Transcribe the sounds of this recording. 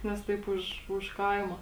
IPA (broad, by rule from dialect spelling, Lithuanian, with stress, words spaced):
nʲɛs ˈtɐɪp ʊʃ ʊʃ ˈkɐɪmoː